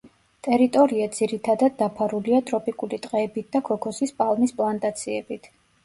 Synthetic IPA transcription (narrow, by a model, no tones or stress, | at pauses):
t̪ʼɛɾit̪ʼɔɾiad̪z̥iɾit̪ʰad̪ad̪̚ːapʰaɾuliat̪ʼɾɔpʼikʼulit̪ʼqʼɛːbit̪̚ʰd̪akʰɔkʰɔsispʼalˠmispʼlˠant̪ʼat̪sʰiɛbit̪ʰ